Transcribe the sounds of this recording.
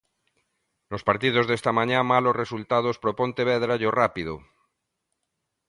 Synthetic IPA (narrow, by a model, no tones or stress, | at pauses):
lospaɾt̪ið̞ozðest̪amãɲamalozresult̪að̞ospɾopont̪eβ̞eðɾaʎorapið̞o̰